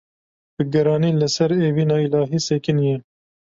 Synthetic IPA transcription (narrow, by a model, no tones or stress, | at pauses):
bɨɡɛɾɑːniːlɨsɛɾeːviːnɑːilɑːɦiːseːkɨnjɛ